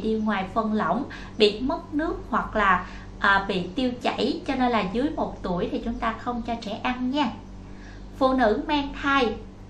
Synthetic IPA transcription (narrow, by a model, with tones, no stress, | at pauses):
ɗi˧ŋwaː˨˩jfə˨˩nlə̰˧˨wŋ͡m | ɓḭ˧˨mə˦˥t̚nɨ˦˥ək̚hwa˨˩k̚laː˨˩ | ʔəː˨˩ɓḭ˧˨t̪i˧əwt͡ɕa̰˧˩jt͡ɕɔ˧ne˧nlaː˨˩zɨ˨˦əjmo˨˩t̚t̪u˧˩əjt̪ʰi˨˩t͡ɕʊ˨˦ŋ͡mt̪aː˧xə˧wŋ͡mt͡ɕɔ˧t͡ɕɛ˧˩ʔa˧nɲɛ˧ | fṵ˧˨nɨ̰˧˥maː˧ŋt̪ʰaː˧j